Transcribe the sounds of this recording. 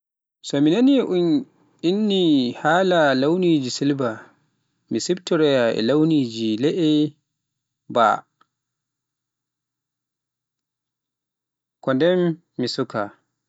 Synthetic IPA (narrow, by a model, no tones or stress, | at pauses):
sɔminaniʔun | inːihaːlalawniːd͡ʒisilba | misibtɔɾɛjaʔɛ̰lawniːd͡ʒilɛʔɛ | ba̰ | kɔndɛmː | isuka̰